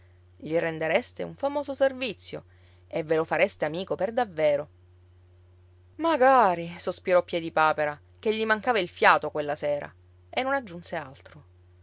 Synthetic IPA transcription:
ʎirend̪eɾest̪eṵɱfamoːzoservit̪sːjo̰ | evːelofaɾest̪eamiːkoperd̪avːeːɾo | maɡaːɾisospiɾɔpːjɛd̪ipaːpeɾa | keʎːimaŋkavailfjaːt̪okwelːaseːɾa̰ | enːonad͡ʒːunsealt̪ɾo

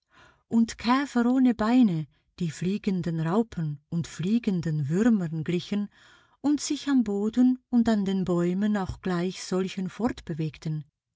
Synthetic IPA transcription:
ʔʊntkʰɛːfəɾoːnəbaɪnə | d̥iːfliːɡəndənʁaʊpʰənʊntfliːɡəndənvʏɾmənɡlɪçən | ʊntz̥ɪçamboːdənʊntandeːnbɔʏmənaʊxɡ̥laɪçz̥ɔlçənfɔʁtb̥əveːktən

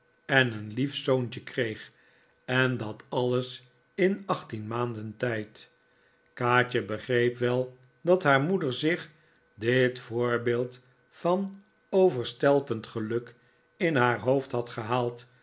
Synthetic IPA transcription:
ɛnənlifsownt͡ʃəkrejχ | ɛndɑtɑləs | ɪnɑχtinmaːndəntɛjt | kaːt͡ʃəbəχrejpʋɛlˠ | dɑtɦaːɹmudəɹzɪχ | dɪtfʊːɹbeːlˠt | fɑn | owvəɹstɛlˠpəntχəlɵk | ɪnɦaːɹɦowftɦɑtχəɦaːlˠt

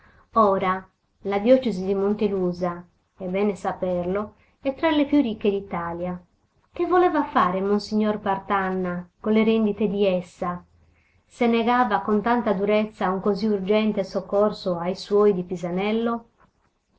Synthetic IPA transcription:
ɔːɾa | lad̪jɔt͡ʃezid̪imont̪eluːza | ɛbːɛːnesapɛrlo | ɛt̪ːɾalepjurik̟ːed̪it̪aːlja | k̟evːolɛːvafaːɾemonsiɲːorpart̪anːakoleɾɛnd̪it̪ed̪iɛsːa | senːeɣaːvakont̪ant̪ad̪uɾet̪sːauŋkoziurd͡ʒɛnt̪esokːorsoajswɔjd̪ipizanɛlːo

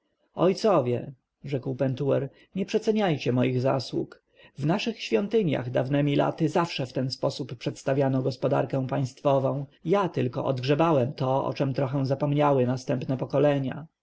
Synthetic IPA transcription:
ɔjt̪sɔvʲjɛ̰ | ʐɛkwpɛnt̪uwɛɾ | ɲɛpʂɛt̪sɛɲajt͡ɕɛmɔjiɣza̰swṵk | vnaʂɘxɕfʲjɔnt̪ɘɲja̰ɣd̪avnɛmʲila̰t̪ɘzafʂɛft̪ɛnspɔsuppːʂɛt̪st̪avʲjanɔɡɔspɔd̪a̰ɾkɛ̃w̃paj̃st̪fɔvɔ̃w̃jat̪ɘlkɔ̰ʔɔd̪ɡʐɛbawɛmt̪ɔɔ̰t͡ʂɛmt̪ɾɔxɛw̃zapɔmɲawɘnast̪ɛmpnɛpɔkɔlɛɲa̰

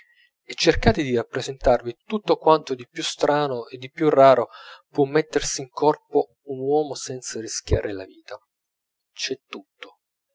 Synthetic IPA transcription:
et͡ʃːerkaːt̪ed̪irapːɾezent̪arvit̪ut̪ːokwant̪od̪ipjust̪ɾaːnoed̪ːipːjurːaːɾopwɔmːɛt̪ːersiːŋkɔrpo | unwɔːmosɛnt̪sarisk̟ja̰ːɾʔela̰viːt̪a | t͡ʃɛt̪ːut̪ːo̥

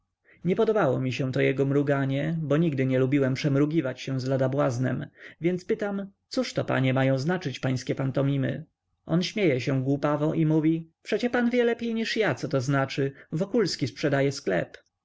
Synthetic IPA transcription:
ɲɛpɔd̪ɔbawɔ̰mʲiɕɛ̃t̪ɔjɛɡɔmɾuɡaɲɛbɔɲiɡd̪ɘɲɛlubʲiwɛmpʂɛmɾuɡʲivat͡ɕɕɛw̃zlad̪abwaznɛ̰mvʲjɛnt̪spɘt̪amt̪suʂt̪ɔpa̰ɲɛmajɔ̃w̃znat͡ʂɘt͡ɕpaj̃skʲɛpant̪ɔmʲimɘ̰ | ʔɔnɕmʲjejɛɕɛ̃ɡwupavɔʔimuvʲipʂɛt͡ɕɛpanvʲjɛlɛpʲjejɲiʂjat̪sɔt̪ɔznat͡ʂɘvɔkulskʲispʂɛd̪ajɛsklɛ̰p

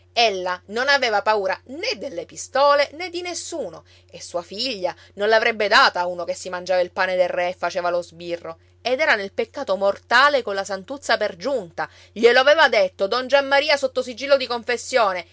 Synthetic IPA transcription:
elːanonaveːvapauːɾaned̪elːepist̪ɔːlened̪ːinesːuːno | esːuːafiʎːa | nonlavɾɛbːed̪aːt̪auːnokesːimand͡ʒaːvailpaːned̪erːɛːfːat͡ʃeːvalozbirːo | ed̪ɛːɾanelpekːaːt̪omort̪aːlekonlasant̪ut̪sːaperd͡ʒunt̪a | ʎeloavɛːvad̪et̪ːod̪ɔnd͡ʒamːaɾiːasot̪ːosid͡ʒiːlːod̪ikoɱfesːjoːne

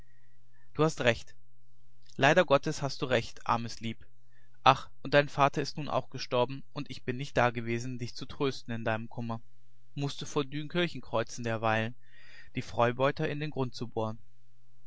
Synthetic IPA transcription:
d̥uːhastʁɛçt | lʔaɪɾɐɡɔtʰəshastd̥uːʁɛçtʔa̰ɐməsliːp | ʔaχ | ʔʊntd̥aɪnnfaːtɐɪstnuːnʔa̰ʊxɡ̥əʃtɔɐbm̩ʔʊntɪçb̥ɪnːɪçt̚d̥aːɡəveːzn̩dɪçt͡sutʁ̥øːstn̩ɪndaɪnəmkʰʊmɐ | mʊstd̥uːfoːɐdyːnkʰɪɐçn̩kʁ̥ɔʏt͡sn̩deːɐvaɪlən | d̥iːfʁ̥ɔʏbɔʏtɐɪndeːnɡʁʊnt̚t͡suboːn

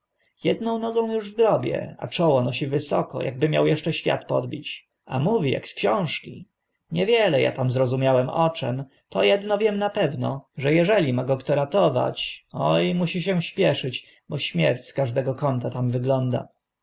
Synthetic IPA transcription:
jɛd̪nɔ̃w̃nɔɡɔ̃w̃juʐvɡɾɔbʲjɛ̰a̰t͡ʂɔwɔnɔɕivɘsɔkɔ̰jʔa̰ɡbɘmʲjawjɛʂt͡ʂɛɕfʲja̰t̪pɔd̪bʲit͡ɕ | a̰muvʲija̰kskɕɔ̃w̃ʂkʲi | ɲɛvʲjɛlɛja̰t̪amzɾɔzumʲjawɛmʔɔt͡ʂɛ̰m | t̪ɔjɛd̪nɔvʲjɛmnapɛvnɔʐɛjɛʐɛlʲimaɡɔkt̪ɔɾat̪ɔva̰t͡ɕɔjmuɕiɕɛ̃ɕpʲjɛʂɘt͡ɕ | bɔɕmʲjɛɾt͡ɕskaʐd̪ɛɡɔkɔnt̪at̪amvɘɡlɔnd̪a̰

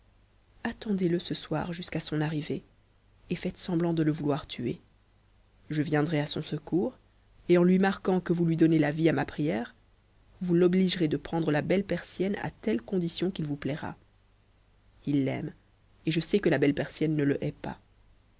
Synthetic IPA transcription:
at̪ɑ̃d̪eləsəswa̰ʁʒyskasɔ̃naʁive | efɛt̪sɑ̃blɑ̃d̪ələvulwaʁt̪ʰye | ʒəvjɛ̃d̪ʁɛasɔ̃səkuːʁ | eɑ̃lɥimaʁkɑ̃kəvulɥid̪ɔnelaviamapχijɛːʁ | vulɔbliʒʁed̪əpχɑ̃d̪ʁəlabɛlpɛʁsjɛna̰t̪ɛlkɔ̃d̪isjɔ̃kilvuplɛʁa̰ | ilːɛ̰m | eʒəsɛkəlabɛlpɛʁsjɛnːələʔɛpa̰

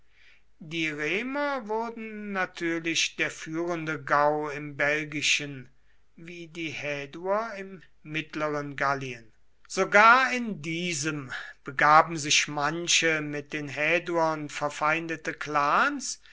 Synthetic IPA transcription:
diːʁeːmɐvʊɐdn̩ːatʰyːɐlɪʃd̥eːɐfyːʁəndəɡaʊɪmbɛlɡɪʃən | viːdiːhɛːduɐɪmː | ɪtləʁənɡaliən | z̥oɡaːɐɪndiːzəmb̥əɡaːbm̩zɪçmanʃəmɪt̚d̥eːnɦɛːduɐnfɛɐfaɪndətəkl̥aːns

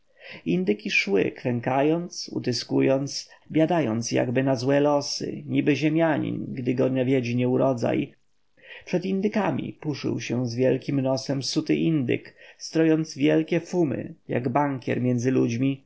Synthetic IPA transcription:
ind̪ɘkʲiʂwɘ̰kɾɛŋkajɔnt̪sṵt̪ɘskujɔnt̪sbʲjad̪ajɔnt̪sja̰ɡbɘnazwɛlɔsɘ̰ɲibɘʑemʲjaɲḭnɡd̪ɘɡɔɲavʲjɛd͡ʑiɲɛuɾɔd̪za̰j | pʂɛd̪ind̪ɘkamʲḭpuʂɘ̰wɕɛzvʲjɛlkʲimnɔsɛmsut̪ɘ̰ʔind̪ɘ̰kst̪ɾɔjɔnt̪zvʲjɛlkʲɛfumɘ̰ja̰ɡbaŋkʲɛ̰ɾmʲjɛnd̪zɘlud͡ʑmʲi

